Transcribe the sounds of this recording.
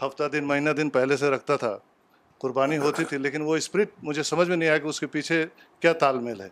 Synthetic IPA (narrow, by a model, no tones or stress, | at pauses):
hɐft̪ad̪ɪnmɐɦiːnad̪ɪnpɛɦleseɾɐk̚ʰt̪at̪ʰa̰ | qʊɾbaːniɦoːt̪it̪ʰileːkɪnʋoɪspɾɪʈ̚mʊd͡ʒʱesɐməd͡ʒʱmẽnɐɦĩaːekiʊskepiːt͡ʃʰe | kjaːt̪aːlmelɦɛː